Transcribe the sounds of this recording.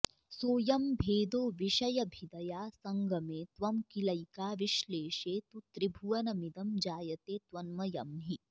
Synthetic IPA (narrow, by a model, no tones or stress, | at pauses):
soːjɐmbʱeːd̪oːʋiʃɐjɐbʱid̪ɐjaːsɐŋɡʱɐmeːt̪ʋɐmkilɐjkaːʋiʃleːʃeːt̪ut̪ɾibʱuʋɐnɐmid̪ɐmd͡ʒaːjɐt̪eːt̪ʋɐnmɐjɐ̰mɦi